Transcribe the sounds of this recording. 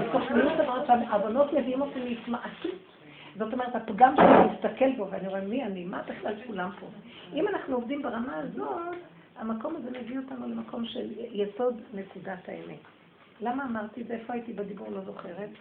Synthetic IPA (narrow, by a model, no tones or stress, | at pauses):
toχniid̪avaʁaʃeaʔavono̞tmeviimotimeitmaʔatut | zo̞to̞me̞ʁethapɡamʃemist̪ake̞lpoveaniʁemːianimabeχlalkulampo | ʔimanaχnuovdimbeʁamaːzo̞t | amako̞mazemeɡiaotanulemako̞mʃeljeso̞dne̞kudataḛmet | lamaːmaʁt̪izeefoajitibedibuʁlo̞zo̞χe̞ʁet